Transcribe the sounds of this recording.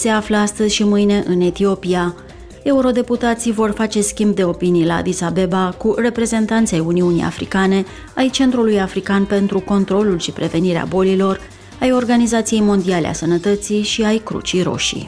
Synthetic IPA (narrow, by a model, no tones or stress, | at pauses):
se̞afləast̪əzʲʃimɨjne̞ʔɨne̞t̪io̞pia | e̞uɾo̞d̪e̞put̪at̪sijvo̞rfat͡ʃe̞skʲimb̚d̪e̞o̞pinijla̰d̪isabe̞bakure̞pɾe̞ze̞nt̪ant̪sʲajuniunḭja̰fɾḭkane̞ | ajt͡ʃe̞nt̪ɾulujafɾikanpe̞nt̪ɾuko̞nt̪ɾo̞lulʃipɾe̞ve̞niɾea̰bo̞lilo̞r | ajo̞rɡanizat̪sije̞jmo̞nd̪iale̞̰a̰sənət̪ət̪siʃiajkɾṵt͡ʃijɾo̞̰ʃḭ